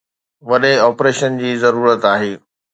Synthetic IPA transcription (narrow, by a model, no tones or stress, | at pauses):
ʋɐɗeɔːpɾeːʃənd͡ʑiːzɐɾuːɾət̪aːɦeː